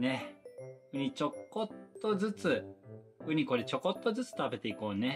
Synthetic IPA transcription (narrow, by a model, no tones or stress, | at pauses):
ne̞ | ɯ̟ɲ̟it͡ɕo̞kːot̪ːo̞zɨt͡sɨ | ɯɲ̟iko̞d̪et͡ɕo̞ko̞t̪ːo̞zɨt͡sɨ̥t̪abe̞t̪e̞iko̞ːne̞